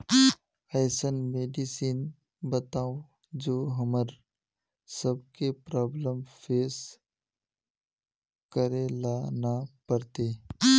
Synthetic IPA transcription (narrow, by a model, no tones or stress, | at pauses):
ɛːsənmeːɖisiːn | bət̪aːõ | d͡ʒoːɦəməɾ | səbkepɾɔːbləmfeːs | kəɾelaːnapəɾt̪eː